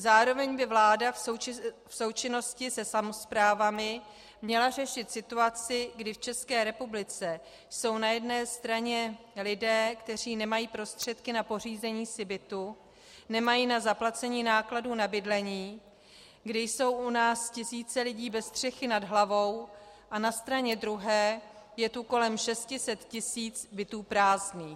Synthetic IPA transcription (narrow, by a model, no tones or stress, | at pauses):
zaːɾo̞vɛɲbɪvlaːda | fso̞wt͡ʃɪno̞scɪsɛsamo̞spɾaːvamɪ | mɲɛlar̝ɛʃɪt̪sɪt̪uat͡sɪɡdɪft͡ʃɛskɛːɾɛpublɪt͡sɛ | jso̞wnajɛdnɛːst̪ɾaɲɛ | lɪdɛːkt̪ɛr̝iːnɛmajiːpɾo̞st̪r̝̥ɛt̪kɪnapo̞r̝iːzɛɲiːsɪbɪt̪u | nɛmajiːnazaplat͡sɛɲiːnaːkladuːnabɪdlɛɲiː | ɡdɪjso̞wʔunaːscɪsiːt͡sɛlɪɟiːbɛst̪r̝̥ɛxɪnadɦlavo̞w | ʔanast̪ɾaɲɛd̪ɾuɦɛː | jɛt̪uko̞lɛmʃɛscɪsɛt̪cɪsiːt͡sbɪt̪uːpɾaːzniː